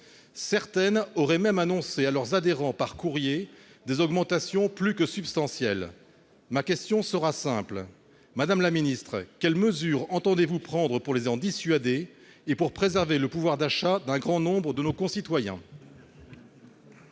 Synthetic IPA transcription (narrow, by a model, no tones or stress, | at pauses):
sɛʁt̪ɛnɔʁɛmɛmanɔ̃sealœʁzad̪eʁɑ̃paʁkuʁje | d̪ezɔɡmɑ̃t̪asjɔ̃plykəsybst̪ɑ̃sjɛl | makʲɛst̪jɔ̃səʁasɛ̃pl | mad̪amlaminist̪χəkʲɛlməzyʁɑ̃t̪ɑ̃d̪evupχɑ̃d̪ʁəpuʁlezɑ̃d̪isɥad̪eː | puʁpχezɛʁveləpuvwaʁd̪aʃad̪ɛ̃ɡʁɑ̃nɔ̃bʁəd̪ənokɔ̃sit̪wajɛ̰̃